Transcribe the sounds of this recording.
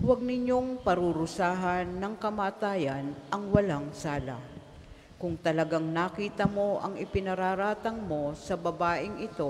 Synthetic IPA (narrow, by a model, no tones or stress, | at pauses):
wɐɡ̚nɪɲjo̞ŋpɐɾʊɾʊsaːɦɐnːɐŋkɐmaːt̪aːjɐnʔɐŋwɐlaŋsaːla̰ | kʊŋt̪ɐlɐɡaŋnakiːt̪ɐmo̞ʔɐŋɪpɪnɐɾaːɾaːt̪ɐŋmo̞sɐbɐbaːʔɪŋʔɪt̪o̞